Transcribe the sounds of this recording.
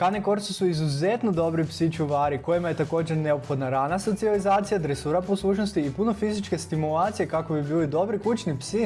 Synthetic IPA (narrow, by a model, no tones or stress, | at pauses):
kaneko̞ɾt̪susuizuze̞t̪no̞d̪o̞bɾipsit͡ʃuʋaːɾiko̞jimaje̞t̪ako̞ːd͡ʑe̞ɾne̞opxo̞d̪naɾaːnaso̞t̪ializaːt̪sijad̪ɾesuːɾaposlˠuːt͡ʃno̞st̪iːpuno̞fizit͡ʃke̞st̪imulˠaːt̪sije̞kako̞bibiːlid̪o̞bɾikut͡ʃnipsi